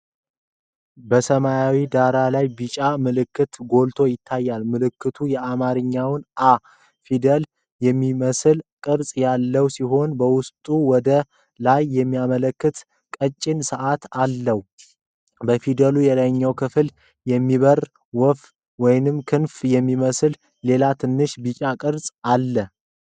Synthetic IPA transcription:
bəsəmajawid̪aɾalajbɨt͡ʃʼamɨlɨkːɨt̪ɡo̞lt̪ʰo̞jɪt̪ʰːajːalmɨlɨkːɨt̪ʰujɛamaɾɨɲːawnʔa | fid̪əl | jɛmːiməsɨlkʼɨɾsʼjalːəwsiɦo̞nbəwʊst̪ʼuwɔd̪ə | lajːɛmːijamələkːɨt̪ | kʼət͡ʃʼːɪnsəʔat̪alːəh | bəfid̪əlujɛlaɲːəwkʰɨfɨl | jɛmːiβər | wɔf | wɔjnɨmkʰɨnfjɛmːiməsɨlː | e̞lat̪ʰɨnːɨʃbɨt͡ʃʼakʼɨɾsʼalːə

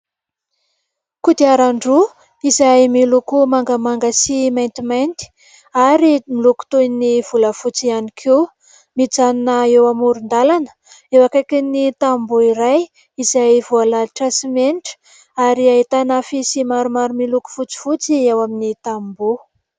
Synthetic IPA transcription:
kud̪iaɾaɳɖ͡ʐu | izajmilukumaŋɡəmaŋɡasimant̪imant̪i̥ | aɾimiluku̥t̪univ̥uləfut͡sianikʰe | mit͡saninəewamuɾund̪alanə̥ | ewakakinit̪ambuiɾaj | izajvualaʈ͡ʂasimeniʈ͡ʂə̥ | aɾiaɦit̪anafisimaɾumaɾumiluku̥fut͡si̥fut͡siewaminit̪ambu

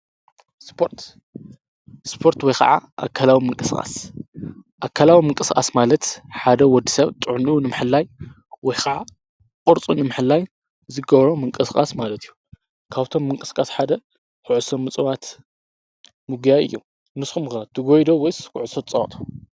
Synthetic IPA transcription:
spʰo̞ɾt̪ | spʰo̞ɾt̪wɔjkɐ̰ʕa̰ʔa̰kʰːalawimɨŋkʼɨskʼa̰s | ʔakʰːalawimɨŋkʼɨskʼa̰smalɐt̪ħad̪ɐwɔd̪ːisɐβt̪ʼɨʕnunɨmɨħɨlːaj | wɔjkʰɐʕa | kʼɔɾt͡sʼunɨmɨħɨlːaj | zɨɡɐβɾomɨŋkʼɨskʼa̰smalɐt̪ʰijːu | kʰaβt̪ʰo̞mːɨŋkʼɨ̥skʼasħad̪ɐ | kʊʕsomːɨt͡sʼɨwat̪ | mɨɡjajʔɨ̰jːu | nɨsxumxɐt̪ʰɨɡojd̪owɔjskʊʕʊsot̪t͡sʼɐwɐt̪ʼo̥

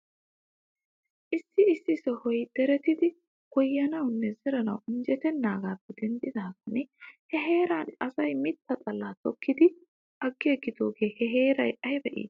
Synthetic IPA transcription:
ʔɪsːɪɪsːɪsɔhɔjd̪̥ɛɾɛt̪ɪd̪ɪ | ɡ̥ɔjːɐnɐwnːɛzɛɾɐnɐ̰wʊnd͡ʒɛt̪ɛnːaːɡaːbːɛd̪ɛnd̪ɪd̪aːɡɐnehɛɦe̞ːɾanɐsɐjmɪt̪ːɐt̪ʼɐlːaːt̪ɔkːɪd̪ɪ | ʔɐɡːeɡːɪd̪o̞ːɡe̞ːhɛɦe̞ːɾɐjɐjbɛʔḭːs

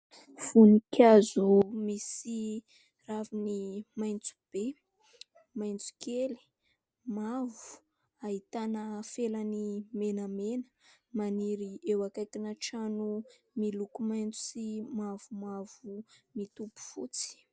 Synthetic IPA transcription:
v̥unikazumisi | ravinimajnt͡su̥b̥e | majnt͡su̥keli̥ | mavu̥ | aɦit̪anəfelanimenəmenə̥maniɾiewakajkinaʈ͡ʂanu | milukumajnt͡su̥simavumavumit̪upu̥fṵt͡si̥

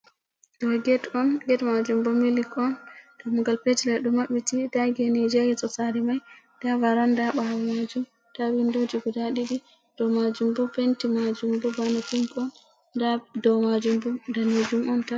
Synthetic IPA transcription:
dɔɡɛtɔnɡɛtmad͡ʒumbɔmilikʰɔnɡ̥amŋɡalpetilɛɗumaɓitidaɡɛnɛd͡ʒɛɡɛsɔsaɾimaj | d̥avaɾandaɓawɔmad͡ʒum | tawindud͡ʒiɡudaɗiɗi | d̥ɔmad͡ʒumbɔpentimad͡ʒumbɔbanapumpɔn | dadɔmad͡ʒumbɔdaned͡ʒumɔnta

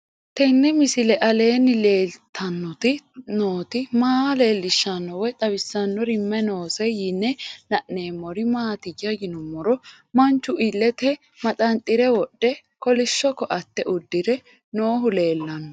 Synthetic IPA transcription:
t̪ɛnːɛmɪsɪlɛʔɐle̞ːnːɪle̞ːlt̪ʰɐnːɔt̪ɪnoːt̪ɪmaːle̞ːlːɪʃːɐnːɔwɛt̪ʼɐβɪsːɐnːɔɾɪmːɛno̞ːsɛjɪnːɛnɐʔneːmːɔɾɪmaːt̪ɪjːɐɡɪnʊmːɔɾɔ | mɐnt͡ʃːʊʔɪlːɛt̪ɛ | mɐt̪ʼɐnt̪ʼːɪɾɛwɔɗːɛ | kɔlɪʃːɔkːɔʔɐt̪ːɛʔʊd̪ːɪɾɛ | no̞ːɦʊle̞ːlːɐnːɔ

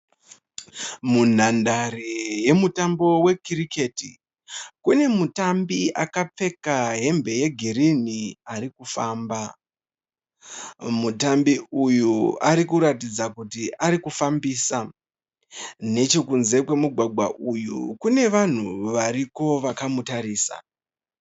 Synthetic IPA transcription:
mun̤andaɾeje̞mutambo̞we̞kiɾike̞ti | kune̞mutambiʔakap͡fe̞kaɦe̞mbe̞je̞ɡʱiɾiniaɾikufaːmba | mutambiujuaɾikuɾatid͡zakutiʔaɾikufambiːsa | ne̞t͡ʃo̞kunze̞kwe̞muɡʱwaɡʱwa̰ʔujṵkune̞ʋan̤uʋaɾiko̞ʋakamutaɾiːsa̰

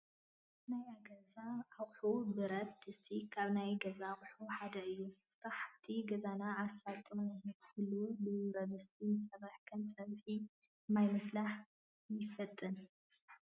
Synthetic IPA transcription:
najaɡɐzaːɣħubɨɾɐt̪d̪ɨst̪ʰikʰaβnajɡɐzaɣʼħuħad̪ɐɨjːusɨɾaħt̪ʰiɡɐzanaːsfat̪ʼunhulːubɨɾɐzɨst̪ʰinsɐβaħkʰɐmsʼɐβħi | majmɨflaħ | jɪfɐt̪ʼːɨn

